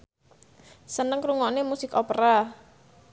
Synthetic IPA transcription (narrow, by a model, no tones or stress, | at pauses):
sənəŋkɾuŋɔnemusɪkopɾa